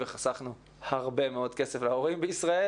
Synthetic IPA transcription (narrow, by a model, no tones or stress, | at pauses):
veχasaχnu | haʁbe̞meo̞dke̞seflao̞ʁimbeisʁae